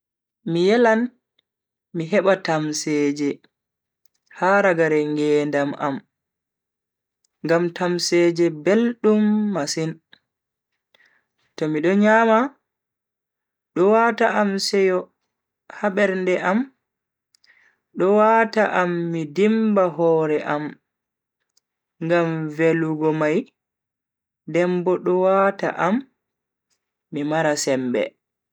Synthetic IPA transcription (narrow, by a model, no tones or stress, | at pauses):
mijɛlan | miɦɛɓatamsɛːd͡ʒɛ | haɾaɡaɾɛŋɡɛːndama̰m | ŋɡamtʰamsɛd͡ʒɛbelɗumːasin | tɔmiɗɔɲama | ɗɔwataʔamsɛjɔ | haɓɛɾndɛʔam | ɗɔwataʔamːidimbaɦɔːɾɛʔam | ŋɡamveluɡɔmaj | dɛmbɔɗɔwata̰ʔam | imaɾasɛmbɛ̰